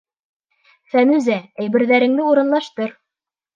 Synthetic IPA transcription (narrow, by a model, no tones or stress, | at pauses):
fæmʉzææjbɘ̆ɾðæɾɘ̆ŋd̪ɘuɾɤ̆nlˠɑʃt̪ɤɾ